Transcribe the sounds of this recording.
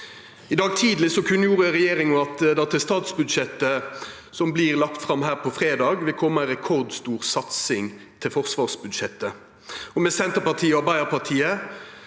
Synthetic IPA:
ɪd̪ɑːɡ̚t̪ʰiːd̪lɪsɔkʰʉnːəjuːʁəʁɛjeːɾɪŋɔɑt̪d̪ɛæːʁt̪ʰɪst̪ɑːt̪sbʉd̪ʃɛt̪ːə | sɔmbliʁlɑk̚t̪fʁɑmhæːʁpʰɔfʁeːd̪ɑːɡʋɪlkʰɔmːəæʁɛkʰɔʁd̪st̪uːʁsɑt̪sɪŋ | t̪ʰɪlfɔʁsʋɑːʁsbʉd̪ʃɛt̪ːə | ɔmɛsɛnt̪əpɑʁt̪ʰiːəɔbɑɪəpɑʁt̪ʰiːə

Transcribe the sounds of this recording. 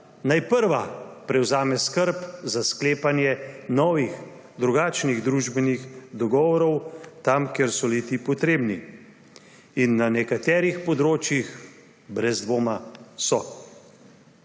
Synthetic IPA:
najpəɾʋapɾɛwzaːmɛskəɾpzaskleːpanjɛnɔːʋix | d̪ɾuɡaːt͡ʃniɣd̪ɾuʒbɛnixd̪ɔɡɔːʋɔɾɔwt̪amkeɾsɔlit̪ipɔt̪ɾeːbni | inːanɛkat̪ɛːɾixpɔd̪ɾoːt͡ʃjix | bɾɛzd̪ʋoːmasɔ

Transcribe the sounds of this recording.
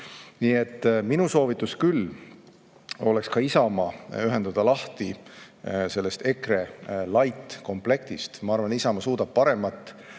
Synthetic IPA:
nie̞t̪ːminuso̞ːvit̪ːˑuskyl | o̞lekskɑisɑmɑyɦe̞nd̪̥ɑd̪̥ɑlɑht̪i | se̞lːe̞st̪e̞kre̞lɑjt̪ːˑko̞mple̞k̚t̪ist̪mɑɑɾrvɑnt̪isɑmɑsuːd̪̥ɑb̥̚pɑɾe̞mɑt̪ˑː

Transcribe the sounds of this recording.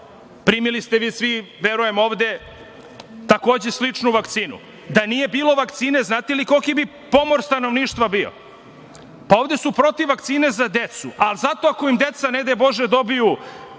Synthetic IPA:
pɾiːmilist̪e̞ʋiːsʋiʋeɾuje̞mo̞ːʋd̪e̞ | t̪ako̞ːd͡ʑe̞slit͡ʂnuʋakt̪siːnṵ | d̪anijebiːlo̞ʋakt̪siːneznaːt̪eliko̞kibi | po̞mo̞ɾst̪anoʋniːʃt̪ʋabio̰ | pao̞ːvd̪esupɾo̞t̪iʋakt̪siːne̞zad̪e̞t̪suʔalzat̪o̞ako̞imd̪e̞t̪saned̪ebo̞ʒed̪o̞biju

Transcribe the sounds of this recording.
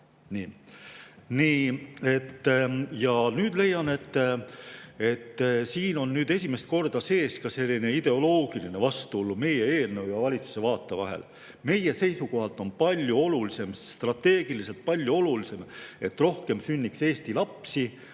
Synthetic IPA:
niː | niːe̞t̪ːjɑnyːd̪le̞jːɑne̞t̪ː | e̞t̪ːsiːno̞nːyːd̪̥e̞s̬ʲime̞st̪̚ko̞rd̪̥ɑse̞ːskɑse̞lʲːine̞id̪̥e̞o̞lo̞ːɡ̥iline̞vɑst̪uolːume̞jeeːlnɤwjɑvɑlʲit̪su̥se̞vɑːt̪ˑːevɑ̰ɦe̞̰l | me̞je̞se̞jsuko̞ɦɑlt̪ːˑo̞npɑlʲjuo̞lulise̞mt̪rɑt̪ːe̞ːɡ̥ilis̬e̞lt̪̚pɑlʲjuo̞lulise̞me̞t̪ːro̞hke̞msynʲːikse̞ːst̪ilɑpsi

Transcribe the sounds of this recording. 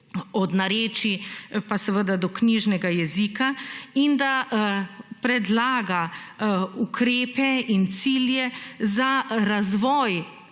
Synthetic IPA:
ɔd̪naɾeːt͡ʃipasɛʋəd̪ad̪ɔkniʒnɛɡajɛziːkaind̪a | pɾɛd̪laːɡa | ukʰɾeːpɛint̪siːljɛzaɾazʋɔːj

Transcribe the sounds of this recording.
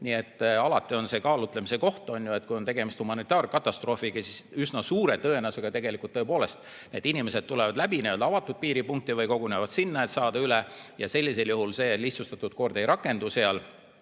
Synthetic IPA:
nie̞t̪ːɑlɑt̪ːˑio̞nse̞kɑːlut̪ˑlemise̞ko̞ht̪o̞njue̞t̪̚kujont̪e̞ɡe̞mist̪humɑnit̪ːˑɑːrkɑt̪ːˑɑst̪ro̞ːfikisisysnɑsuːɾe̞t̪ɤenɑseɡ̥ɑt̪e̞ɡe̞likˑult̪ːɤepo̞ːle̞st̪ | ne̞ːd̪̥inʲime̞se̞d̪̥̚t̪ːule̞vɑd̪læbined̪ɑvɑt̪ːˑud̪̥̚piːɾipuŋk̚t̪ivɤjko̞ɡunevɑd̪sinːɑet̪sɑːd̪̥ɑylejɑse̞lʲːis̬e̞ljuɦulse̞ːliht̪sust̪ɑt̪ːˑud̪̥̚ko̞rd̪̥e̞jɾɑkːˑe̞nd̪use̞ɑl

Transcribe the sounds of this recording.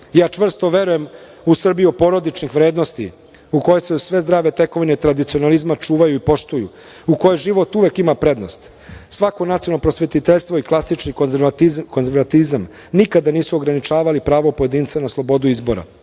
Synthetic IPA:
jaːt͡ʃʋr̩st̪o̞ʋe̞ɾuje̞m | usr̩bijiopo̞ɾo̞d̪it͡ʃnixʋɾeːd̪no̞st̪ḭ | uko̞jesesʋe̞zd̪ɾaːʋe̞t̪e̞ko̞ʋinet̪ɾad̪it̪sio̞nalizmat͡ʃuːʋajuipo̞ʃt̪ujṵ | uko̞jeʒiʋo̞t̪uʋekimapɾe̞d̪no̞st̪ | sʋako̞nat̪sio̞nopɾo̞sʋe̞t̪it̪eʎst̪ʋo̞iklˠasit͡ʃni | konzeɾʋat̪izam | nikad̪aniːsuoɡɾanit͡ʃaːʋalipɾaːʋopojed̪iːnt̪senaslˠo̞bo̞d̪uizbo̞ɾa̰

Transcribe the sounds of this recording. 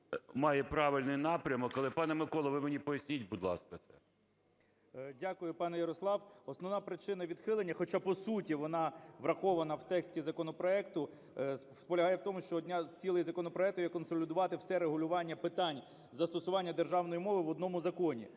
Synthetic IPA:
mɑjɛpɾɑʋɪlʲnɪjnɑpɾʲɐmɔkːɐlˠɪpɑnɛmɪkɔlˠɐʋɪmenʲipɔjɐsʲnʲitʲbud̪lˠɑ̰skɐt̪sɛ̰ | dʲakʊjʊpɑnɛjɐɾɔslˠɑwɔsnɔʋnɑpɾɪt͡ʃɪn̪ɐʋʲid̪xɪlˠenʲːɐxɔt͡ʃɑpɔsutʲiʋɔnɑʋɾɐxɔʋɐnɐwt̪ɛksʲtʲizɐkɔnɔpɾɔɛkt̪ʊ | spɔlʲɐɦɑjɛwt̪ɔmʊʃt͡ʃɔːdʲnʲat͡sʲilˠɐjizɐkɔnɔpɾɔɛk̚t̪ʊjɛkɔnsɔlʲɪd̪ʊʋɑt̪ɪwsɛɾeɦʊlʲʊʋɑnʲːɐpɪt̪ɑnʲ | zɐst̪ɔsʊʋɑnʲːɐd̪erʒɑwnɔjimɔʋɪʋɔd̪nɔmʊzɐkɔnʲḭ

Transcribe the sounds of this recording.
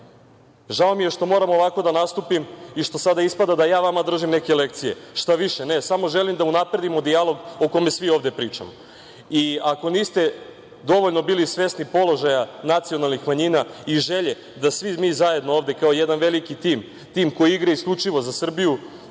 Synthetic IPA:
ʒao̞mije̞ʃt̪o̞mo̞ːɾamoʋako̞d̪anast̪upimiʃt̪o̞sad̪aispad̪ad̪ajaːʋamad̪r̩ʒimne̞kele̞k̚t̪sije̞ʃt̪aʋiʃene̞samo̞ʒe̞limd̪aunapɾe̞d̪imo̞d̪ialˠo̞ɡo̞ko̞mesʋio̞ːʋd̪e̞pɾiːt͡ʂa̰mo | iako̞niːst̪e̞ | d̪o̞ʋo̞ʎno̞biːlisʋe̞snipo̞lo̞ʒajanat̪sio̞nalˠnixmaɲiːnaiʒe̞ʎe̞ | d̪asʋimiːzaje̞d̪no̞oʋd̪e̞kaojed̪anʋe̞likit̪iːm | t̪iːmko̞jiiɡɾaiskʎʲut͡ʂiʋo̞zasr̩biju

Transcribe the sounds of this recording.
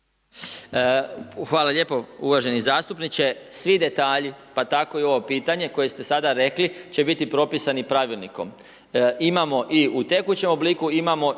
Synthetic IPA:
xʋaːlaʎe̞ːpo̞uʋaʒe̞nizaːst̪upnit͡ɕe̞sʋid̪e̞t̪aːʎipat̪ako̞io̞ʋo̞piːt̪aɲe̞ko̞je̞st̪e̞sad̪aɾe̞klit͡ɕe̞bit̪ipɾo̞pisanipɾaʋilˠniko̞̰m | imamo̞ʔiut̪e̞kut͡ɕe̞mo̞bliːkuimamo̞

